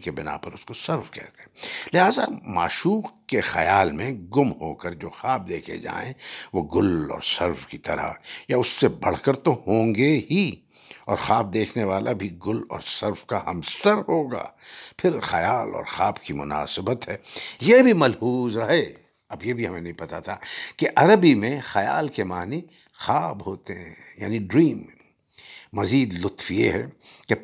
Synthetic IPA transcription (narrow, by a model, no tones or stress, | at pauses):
kebɪna̰pɐɾʊskosɐɾfkɛ̰ɦt̪ẽlɪɦaːza̰ma̰ːʃuːqkexɐjaːlmẽɡʊmɦoːkəɾd͡ʒoːxaːb̚d̪eːkʰḛd͡ʒa̰ːḛ̃ʋoɡʊlɔ̰ːɾsɐɾfkit̪ɐɾa̰jaʊsːebɐɽ̤kəɾt̪ohõːŋɡeɦi | ɔːɾxaːb̚d̪eːkʰneʋaːlʔabʱiɡʊlɔ̰ːɾsɐɾfkaɦɐmsəɾɦoːɡa̰ːpʰɪɾxɐjaːlɔ̰ːɾxaːbkimʊ̰na̰ːsɪbət̪ɦɛːjebʱimɐlhuːzɾɐɦe | ɐbjebʱiɦɐmẽnɐɦĩpɐt̪at̪ʰaːkeʔɐɾəbimẽxɐja̰ːlkemaːni | xaːbɦoːt̪eɦɛ̰̃ja̰ːniɖɾiːmː | ɐziːd̪lʊt̪fjeɦɛːke